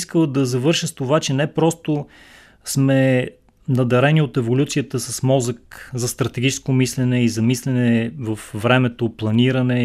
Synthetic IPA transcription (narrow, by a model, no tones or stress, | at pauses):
skəlˠd̪ɐzɐvɤɾʃəst̪ovat͡ʃɛnɛpɾɔst̪o | smɛ | nɐd̪ɛɾɛniot̪ɛvolʲut̪sijət̪əsɐsmɔzəkzɐst̪ɾɐt̪ɛɡʲit͡ʃɛskomislɛnɛizɐmislɛnɛɛvəfvɾɛmɛt̪oplˠɐniɾɐnɛ